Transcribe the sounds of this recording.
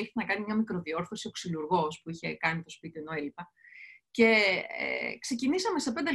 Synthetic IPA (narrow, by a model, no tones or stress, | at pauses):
iç̥t̪enɐkɐnimɲɐmikɾo̞ðio̞ɾθo̞sio̞ksiluɾɣo̞spuiçe̞kɐnit̪o̞spit̪ienoelipɐce̞ḛkse̞cinisɐme̞sepend̪e